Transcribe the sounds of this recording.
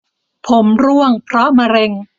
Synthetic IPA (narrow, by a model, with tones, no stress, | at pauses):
pʰo˩˦mɾu˥˩əŋpʰɾɔ˦˥ma˧ɾe˧ŋ